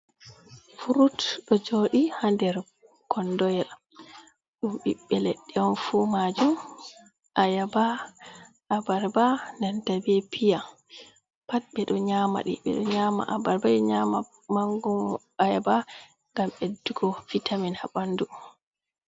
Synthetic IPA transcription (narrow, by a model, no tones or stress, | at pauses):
fuɾutɗɔd͡ʒoɗihandɛɾ | kʰɔndɔjɗa | ɗumɓiɓːɛleɗːɛɔnfuːmad͡ʒum | ʔajaba | abaɾbanantabɛpʰija | pat̚ɓɛɗɔɲaːma̰ɗḭɓɛ̰ɗɔɲaːma̰ʔabaɾbaɗɛɲama | maŋɡum | ajaba | ŋɡamɓedːuɡɔfitʰaminhabandu